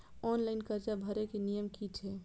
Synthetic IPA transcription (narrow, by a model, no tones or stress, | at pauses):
ɔnlaɪnkəɾd͡ʒabʱəɾekenijəmkit͡ʃʰɛ